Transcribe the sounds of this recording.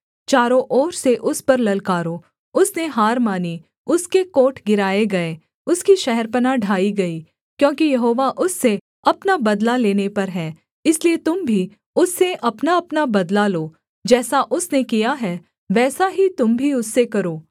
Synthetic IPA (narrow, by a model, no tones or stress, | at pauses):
t͡ʃaːɾõʔɔːɾseʔʊspɐɾlɐlkaːɾo | ʊsneɦaːɾmaːni | ʊskekoːʈʰɡɪɾaːeɡɐe | ʊskiʃɛɦɛɾpɐnaɖʱaːiɡɐi | kjõːkijɐɦoːʋaʔʊsːe | ɐpnabɐd̪laleːnepɐɾɦɛː | ɪsliet̪ʊmbʱi | ʊsːeʔɐpnaɐpnabɐd̪laloː | d͡ʒɛːsaʔʊsnekijaɦɛː | ʋɛːsaɦit̪ʊmbʱiʊsːekɐɾoː